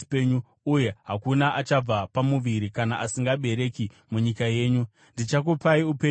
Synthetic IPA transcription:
peɲuː | je̞ɦakunaʔat͡ʃab͡vapamuʋiɾikanaʔasiŋɡaɓe̞ɾe̞ki | muɲikaje̞ːɲu | ndit͡ʃak̬upaiupe

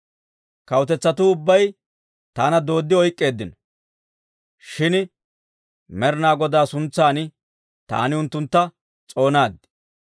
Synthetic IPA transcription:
kɐwt̪ɛt͡sːɐt̪ʊʊbːɐj | t̪aːnɐd̪o̞ːd̪ːɪɔjkʼːe̞ːd̪ːɪnɔ̥ | ʃɪn | mɛɾnaːɡɔd̪aːsʊnt͡sːaːnɪ | t̪a̰ːnɪʊnt̪ːʊnt̪ːɐ | t͡sʼo̞ːnaːd̪

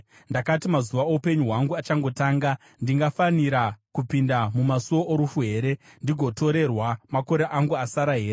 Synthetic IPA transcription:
ndakatimazuʋaoupe̞ɲuɦwaŋɡuat͡ʃaŋɡo̞taːŋɡa | ndiŋɡafaniɾakupindamumasuo̞ʔoɾufuɦe̞ːɾe̞ndiɡʱo̞to̞ɾe̞rwamako̞ɾeʔaŋɡuasaɾaɦe̞ːɾe

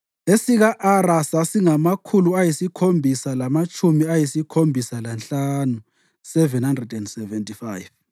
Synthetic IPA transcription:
esiɣaʔarasasiŋamakʰuluajisikʰombʱisalamat͡ʃʼumiajisikʰombʱisalanɬanu | sɛvɛnhandrɛdɛndsɛvɛntʼifajv

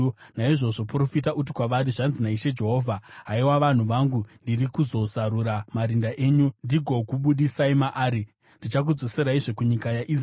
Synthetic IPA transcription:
naiʐo̞ʐo̞puro̞fitaʔut̬ikwaʋaɾiʐanzinaiʃe̞d͡ʒe̞ɦo̞ːvʱaɦaiwaʋan̤uʋaŋɡundirikuzo̞zaɾuɾamaɾindaʔe̞ːɲundiɡʱo̞kuɓuɗisaimaʔaːɾi | ndit͡ʃak̬ud͡zose̞ɾaiʐokuɲikajaʔi

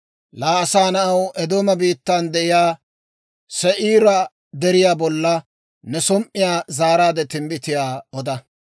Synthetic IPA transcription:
laːɐsaːnɐʔɐwɛd̪oːmɐbiːt̪ːand̪ɛʔɪjaː | sɛʔiːɾɐ | d̪ɛɾɪjaːbɔlːɐ | nɛsɔmʔɪjaːzaːɾaːd̪ɛt̪ɪmbɪt̪ɪjaːɔd̪ɐ

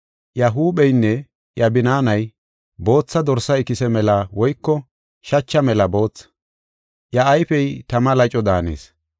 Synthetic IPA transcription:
jɐɦuːɓɛjnːɛ | jɐbɪnaːnɐj | bo̞ːt͡sːɐd̪ɔɾsɐɪkɪsɛmɛlɐwɔjkːɔ | ʃɐt͡ʃːɐmɛlɐbo̞ːt͡sː | jɐːjfɛjt̪ɐmɐlɐt͡ʃʼɔd̪aːnḛːs

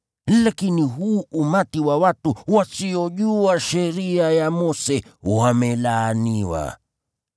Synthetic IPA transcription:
lakiniɦuːʔumatiwawatuwasiɔʄuaʃɛɾiajamɔsɛwamɛlaːniwa̰

